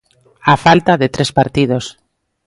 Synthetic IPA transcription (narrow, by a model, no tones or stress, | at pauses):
afalt̪aðet̪ɾespaɾt̪ið̞os